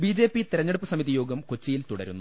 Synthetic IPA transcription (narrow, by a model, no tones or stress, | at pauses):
biːd͡ʑe̞ːpːit̪iɾɐɲːeɽupːɨsɐmiðijo̞ːɡɐmkot͡ɕːijilt̪uɽɐ̰ɾṵnːu